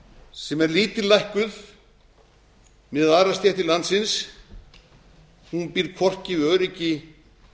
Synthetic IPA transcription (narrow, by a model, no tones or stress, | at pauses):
sɛmɛɾliːt̪ɪlajhkʏð | mɪðaːɾast̪jɛht̪ɪlant̪sɪns | hunpɪɾkʰvɔr̥cɪvœːɾɪcɪ